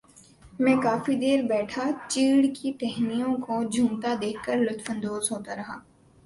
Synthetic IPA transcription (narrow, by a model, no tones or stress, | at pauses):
mɛ̃kaːfid̪eːɾbɛːʈʰat͡ʃiːɽkiʈɛɦnijõkod͡ʒʱũːmt̪ad̪eːkʰkːəɾlʊt̪fə̃nd̪oːzɦoːt̪aɾɐɦaː